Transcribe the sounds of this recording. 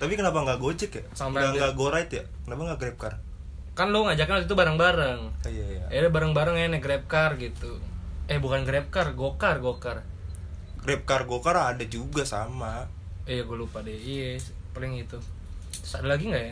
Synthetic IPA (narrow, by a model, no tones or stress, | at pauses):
t̪apikənapaŋɡaɡod͡ʒɛkjasampaaŋɡaɡoɾait̪jakənapaŋɡaɡɾɛp̚kar | kanloŋad͡ʒakanokit̪ubaɾaŋbaɾaŋijajaɛdɛbaɾaŋbaɾaŋanɛɡɾɛp̚karɡit̪uɛhbukanɡɾɛp̚karɡokarɡokar | ɡɾɛp̚karɡokaradad͡ʒuɡasama | ijaɡulupadɛipalɪŋit̪u̥ | sadalaɡiŋɡaʔja